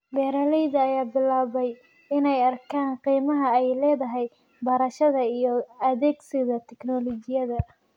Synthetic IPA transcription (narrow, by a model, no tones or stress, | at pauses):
bɛːɾɐlɛjðɐːjaːbɪlaːβɛj | ɪnɛjɐrkʰaːnqiːmɐɦɐɛjlɛːðɐɦɛj | bɐɾɐʃɐðɐijɔɐðɛːɡsɪðɐt̪ʰɛknɔlɔt͡ʃɪjɐðɐ